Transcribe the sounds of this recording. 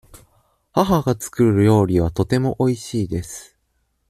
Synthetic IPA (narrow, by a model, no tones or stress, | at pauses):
haɦaɡat͡sɨ̥kɯ̟ɾɯɾɯ̟jo̞ːɾʲiβ̞at̪o̞t̪e̞mo̞ʔo̞iɕiːd̪e̞sɨ̥